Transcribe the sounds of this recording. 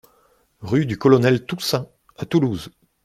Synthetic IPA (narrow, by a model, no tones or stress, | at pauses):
ʁyd̪ykɔlɔnɛlt̪usɛ̃ | at̪uluz